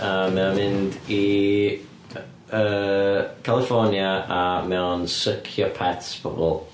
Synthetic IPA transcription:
əːmːɛɔnmɪ̃ndi | ə | kʰalˠɪfɔnjaamɛɔnsəkʰjɔpʰɛtsb̥ʰɔ̰bɔ̰lˠ

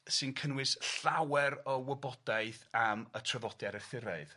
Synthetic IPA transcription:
sɨnkʰənwɪsɬawɛɾɔwəbɔd̥ajθamətʰrəðɔdjaɾəθɪɾaɨð

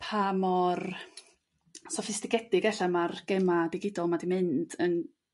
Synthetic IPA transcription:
pʰamɔr | sɔfɪstɪkɛdɪɡɛɬamarɡ̥ɛmadɪɡɪdɔlˠmadimɨnd̥ən

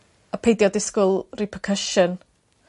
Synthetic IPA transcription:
əpʰejdjɔdɪskʊlˠrɪpʰəkʰəʃən

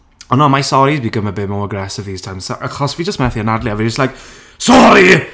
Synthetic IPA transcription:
ɔnɔmajsɔɾibiɡəməbɪmɔwəɡrɛsəvi̥ːtʰajmsʔaχɔsvid͡ʒəstmɛθiənadlˠjavid͡ʒəstlajk | sɔɾi

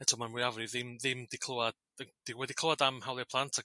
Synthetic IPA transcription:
ɛtʰɔmanwʊavɾiðɪmðɪmdikʰl̥ˠəwad̥ | əd̥iwɛdikʰl̥əwadamhawlˠɛpʰlˠantʰa

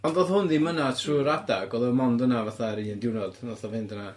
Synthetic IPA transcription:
ɔndoːðhʊndimənatʰruːɾadaɡɔðəmɔndənavaθaɾiəndɪwnɔd̥aθavɪndəna

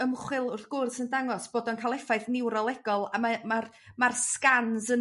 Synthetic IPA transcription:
əmχwɪlˠʊrθɡ̥ʊrsəndaŋɔsb̥oːdɔnkʰalˠɛfaɨθnɪwɾɔlˠɛɡɔlˠamamar | marskansə

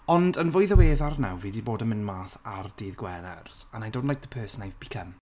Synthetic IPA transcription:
ɔndənvʊjðəweːðarnawviːdiboːdəmɪnmaːsardiːðɡwɛnɛ̰rsanajndoːdnlajk̚ðəpʰɜːsənajvb̥ikʰəm

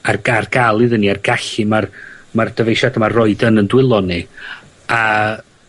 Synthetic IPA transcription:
arɡ̥arɡalˠɨðəniarɡaɬɨmarmard̥əvejʃadəmarɔɨdənəndwɪlˠɔni | a

